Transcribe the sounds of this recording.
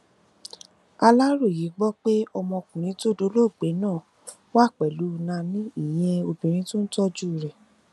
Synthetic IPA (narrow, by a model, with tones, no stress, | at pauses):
a˧la˦ɾo˦˨ji˨˦ɡ͡bɔ˦k͡pe˦ɔ˧mɔ̃˧kũ˨ɾ̃ĩ˨˦to˦˨do˧˦lo˦˨ɡ͡be˨˦nãː˦˨ | wa˦˨k͡pɛ˨lu˨˦˧nã˧nĩ˦i˦˨j̃ɛ̃˧o˧bĩ˨ɾ̃ĩ˧˦to˦n̩˦tɔ˦d͡ʒu˦˨ɾɛ˨